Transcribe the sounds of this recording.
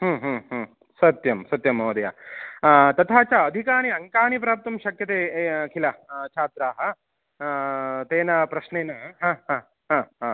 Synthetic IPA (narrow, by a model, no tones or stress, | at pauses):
ɦɐːɦɐːɦɐ | sɐt̪jɐmsɐt̪jɐmoːd̪ɐja̰ː | t̪ɐt̪ʰaːt͡ʃaːɐd̪ʱikaːniɐŋkaːnip̬ɾaːp̚t̪ɐmʃɐkjɐt̪eːkʰilɐt͡ʃʰaːt̪ɾaːɦɐ | t̪eːnɐpɾɐʃneːnɐɦãːɦãː | ɦãːɦãː